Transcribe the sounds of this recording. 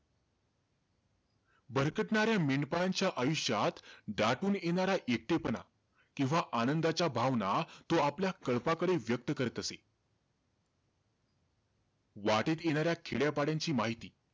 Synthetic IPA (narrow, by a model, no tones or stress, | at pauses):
bəɾkəʈɳaɾjameɳɖpajaɲt͡ɕjaʔajuɕjat̪ɖaʈuːnjeɽ̃aɾaʔek̚t̪epəna̰ | kĩw̃ʋaʔanənd̪at͡ɕabʱaʋnat̪oapljakəɭpakəɽeʋjək̚t̪əkəɾət̪əse | ʋaʈet̪jeɽ̃aɾjakʰeɭjapaɽjaɲt͡ɕiːmaɦit̪iː